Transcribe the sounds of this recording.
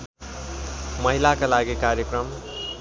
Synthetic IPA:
mʌɦilakalaɡikaɾjʌkɾʌm

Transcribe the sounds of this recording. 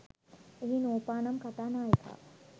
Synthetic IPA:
ɦinoːpaːnɐmkat̪anaːjkʰa̰

